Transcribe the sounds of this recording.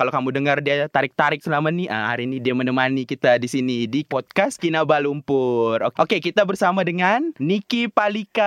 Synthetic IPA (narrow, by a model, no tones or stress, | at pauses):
kalokamudəŋərdiat̪aɾɪk̚t̪aɾɪk̚səlamat̪niəha̰ɾinidiamənəmanikit̪adisinidipɔt̪̚kaskinabalumpʊro̰ʔokekit̪abərsamadəŋanːikipalika